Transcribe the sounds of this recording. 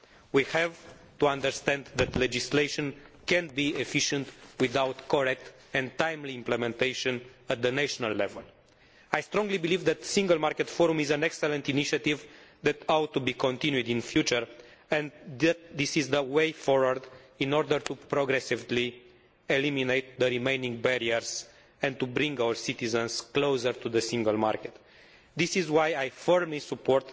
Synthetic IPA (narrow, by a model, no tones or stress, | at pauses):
wihɛv | t̪uãnd̪əɾst̪ɛ̃nd̪ðɛt̪led͡ʒislejʃõnkɛ̃nbiefiʃə̃nt̪wiðawt̪koɹɛk̚t̪ | ɛ̃nt̪ːãjmliĩmplemẽnt̪ejʃɔ̃nət̪̚d̪əneʃonalːɛ̰vəl | ajst̪ɾɔ̃ŋɡlibilivd̪ɛt̪sĩŋɡəlmaɾket̪fɔɾũmizə̃nɛksɛlə̃nt̪iniʃat̪ivðɛt̪awt̪ːubikʰõnt̪ĩnjud̪ĩnfjut͡ʃəɹ | ɛ̃ndæt̪d̪isizd̪əwejfɔɹwəɾd̪inɔɾd̪əɾt̪upɾoɡɾɛsivli | eliminejt̪̚d̪əɾimejnĩŋɡ̚bɛɾiəɾz | ɛ̃nt̪ubɾĩŋɡawəɹsit̪izə̃nsklowsəɾt̪uðəsĩŋɡəlma̰rket̪ | d̪isizwajajfəɹmlisupʰɔɾt̪